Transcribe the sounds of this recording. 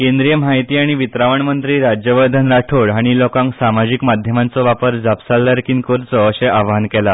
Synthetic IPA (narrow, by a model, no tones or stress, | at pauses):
kẽnd̪ɾijəmɦajt̪iːaɽ̃iʋit̪ɾaʋəɳmənt̪ɾiːɾad͡ʑjəʋəɾd̪ʱənɾaʈʰoɭaɽ̃ilokãŋksamad͡ʑikmad̪ʱjəmant͡sɔʋapəɾd͡zapsalːəɾkinkoɾt͡sɔːɕeʔaʋankɛla